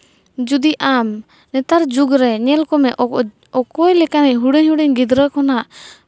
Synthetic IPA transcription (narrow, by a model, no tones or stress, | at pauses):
d͡ʒud̪iʔam | nɛt̪aɾd͡ʒuɡɾɛɲɛlkɔmɛʔ | ɔkɔjlɛkaniɦuɽiɲhuɽiɲɡid̪ɾəkɔnaʔ